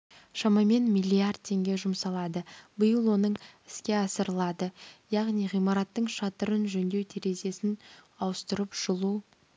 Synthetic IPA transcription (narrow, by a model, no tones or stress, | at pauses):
ʃɑmɑme̞nmijlʲːijard̪̚t̪ʰe̞ŋɡʲe̞ʒʊmsɑlˠɑd̪əbəjəlˠwo̞nəɴɪskʲe̞ɑsəɾəlˠɑd̪əjɑʁnijʁijmɑɾɑt̪ːəɴʃɑt̪əɾənʒɵnd̪ewt̪ʰiɾe̞ze̞sɪn | ɑwəst̪əɾəpʒ̥əlˠu